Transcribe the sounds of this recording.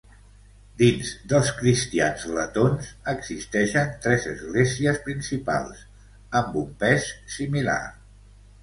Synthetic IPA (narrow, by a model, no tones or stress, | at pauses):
d̪inzd̪əlˠskɾist̪ianzlət̪onzəɡzist̪ɛʃənt̪ɾɛzəzɣleziəspɾinsipa̰lˠs | əmbumpɛsːimila̰r